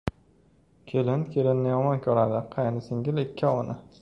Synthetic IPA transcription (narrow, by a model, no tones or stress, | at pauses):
kʲʰelɪnkʲʰelɪnːɪjɒmɒnkʲʰɵɾad̪ɪqʰɑjnɪsɪŋɡʲɪlɪkʲʰːaɒnʔɪ